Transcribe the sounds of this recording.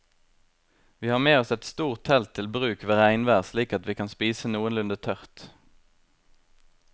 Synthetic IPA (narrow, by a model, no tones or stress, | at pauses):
ʋiːhɑːmeːɔsɛt̪st̪uːʁt̪ʰɛlt̪ʰɪlbʁʉːkʋeːʁæɪnʋæːʁsliːkɑt̪ʋiːkʰɑnspiːsənuːənlʉnd̪ət̪ʰœʁt̪